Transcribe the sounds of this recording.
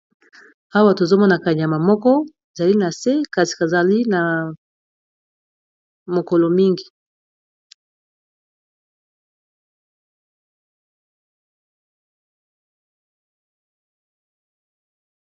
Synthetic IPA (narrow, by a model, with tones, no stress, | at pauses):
ha˦wa˨to˨zo˦mɔ˦na˨ka˨ɲ˨a˨ma˨mɔ˦kɔ˦˨ | za˨li˦na˨se˦ka˨si̥˨ka˨za˨li˦na˨ | mo˨kɔ˨lɔ˨mi˦ŋɡi˨